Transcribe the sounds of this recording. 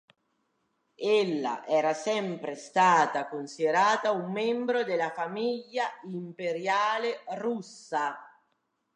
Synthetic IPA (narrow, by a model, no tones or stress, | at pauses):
elːa̰ʔɛːɾasɛmpɾest̪aːt̪akonsid̪eɾaːt̪aumːɛmbɾod̪elafamiʎːaimpeɾjaːlerusːa